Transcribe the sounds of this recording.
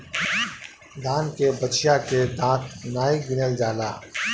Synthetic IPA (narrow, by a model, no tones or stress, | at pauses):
d̪aːnkebɐt͡ʃjaked̪ãːt̪ʰnaːɪkɡɪnəld͡ʒaːlaː